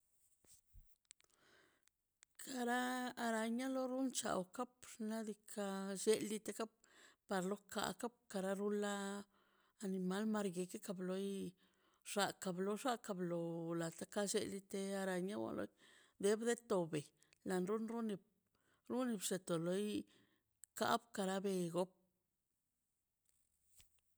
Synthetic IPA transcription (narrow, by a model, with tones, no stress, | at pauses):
kʰa˧ɾaː˦˧ɾa˧ɲa˦lo˦ɾu˦nt͡ʃa̰˨wka˦pna˦d̪i˧kʰa˧ʃe˦lːi˦t̪e˧ka˦p̚pa˨ɾlo˦ka̰˨ka˦b̚ka˧ɾa˦ɾu˦laː˦˧ | ni˨ma˦lma˧ɾɡe˧ke˦ka˧blo˧˦j | ʐ̥a˧ka˧blo˧˦ʐa˦ka˧blo˨la˨t̪a˦ka˦ʃe˧li˧˦t̪e˧a˧ɾa˨ɲa˦wa̰˨lo̰˦j | d̪e˦bd̪e˦t̪o˨be˨ | la˨nɾu˦nɾu˦ni˧b | ɾu˦ni˧bʂe˨t̪o˨lo˦j | ka̰˦bka˧ɾa˦be˧ɡo˦p̚